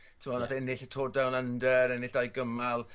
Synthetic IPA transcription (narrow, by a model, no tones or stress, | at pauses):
tʰɪmɔnadɛnɪɬətʰoːrdawnəndəɾɛnɪɬd̥ajɡəmalˠ